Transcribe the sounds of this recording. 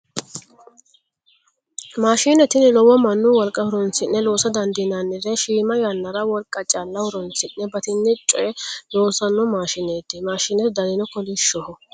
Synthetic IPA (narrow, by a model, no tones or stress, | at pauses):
maːʃiːnɛt̪ɪnɪlɔwɔmɐnːʊwɔlkʼɐhʊɾɔnt͡sɪnːɛlo̞ːsɐd̪ɐnd̪ɪnanːɪɾɛʃiːmɐjɐnːɐɾɐwɔlkʼːɐt͡ʃʼɐlːɐhʊɾɔnt͡sɪnːɛbɐt̪ɪnːɪt͡ʃʼːɔjɛloːsɐnːɔmaːʃɪneːt̪ːɪmaːʃɪnɛt̪d̪ɐlɪnɔkɔlɪʃːɔhɔ